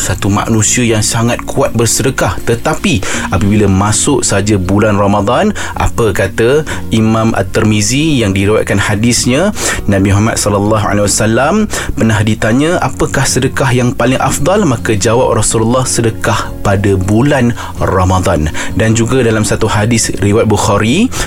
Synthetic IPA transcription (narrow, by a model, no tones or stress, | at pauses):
sat̪uma̰ʔnũsiəjaŋsaŋat̪̚kʰuat̪̚bərsədəkaht̪ət̪apiapəbiləmasʊʔsəɦad͡ʒabulanramad̪ˤɑn | ʔa̰pəkat̪a | ʔimãma̰t̪ːərmizijaŋdiɾiwa̰t̪̚kanhadɪsɲanãbimuɦama̰t̪̚sɔləlːɑɦa̰lewasalampənahdit̪aɲə̃apəkahsədəkahjaŋpalɪŋʔa̰fd̪ˤɑlmakəd͡ʒawap̚rasululːɑhsədəkah | padabulan | ramad̪ˤɑndand͡ʒuɡadalamsat̪uhadɪsriwat̪̚buxaɾi